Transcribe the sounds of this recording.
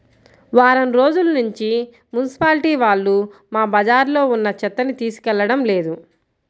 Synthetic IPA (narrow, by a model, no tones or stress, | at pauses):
ʋaːɾɐmɾo̞ːd͡ʒulɐnuɲt͡ʃi | mjunisi̥paːliʈiːʋaːɭːumaːbɐd͡ʒaːɾlo̞ːunːɐt͡ʃɛt̪ːɐnit̪iːsu̥kɛlːɐɽɐmle̞ːd̪u